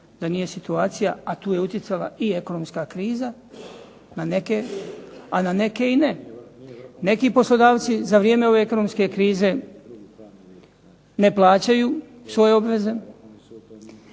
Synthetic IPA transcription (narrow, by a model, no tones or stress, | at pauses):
d̪anije̞sit̪uaːt̪sijaat̪uːje̞ut̪jet̪sala̰ie̞ko̞nomskakɾiːza | nane̞ke | anane̞ke̞ine | ne̞kiːpo̞slˠo̞d̪aːʋt̪sizaʋɾieːme̞o̞ʋe̞eko̞no̞mske̞kɾiːze̞ | ne̞plˠaːt͡ɕajuː | sʋo̞jeo̞bʋe̞ze̞